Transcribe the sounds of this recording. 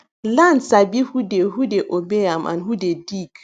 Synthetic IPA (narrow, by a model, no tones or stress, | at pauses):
lansabihudehɦudɛʔobɛjamʔa̰nɦudediːk